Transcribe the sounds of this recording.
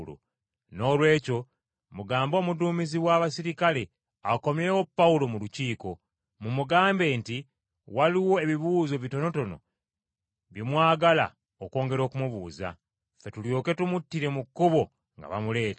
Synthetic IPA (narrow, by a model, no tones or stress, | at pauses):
lo̰ | no̞ːlwe̞ːco̞ | muɡaːmbo̞ːmuduːmiziwaːβasiɾikale̞ | ako̞mje̞ːwo̞pːaulo̞muluciːko̞ | mumuɡaːmbe̞nti | waliwo̞e̞βiβuːzo̞βito̞no̞to̞no̞̰ | βjimwaːɡala̰ | oko̞ːŋɡe̞ɾo̞ːkumuβuːza̰ | fe̞tuljo̞ke̞tumutːiɾe̞mukːuβo̞ | ŋɡa̰βa̰mule̞ːt